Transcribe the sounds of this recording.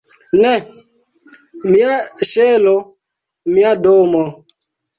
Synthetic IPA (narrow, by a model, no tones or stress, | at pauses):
nɛ | miaʃelo | miadomɔ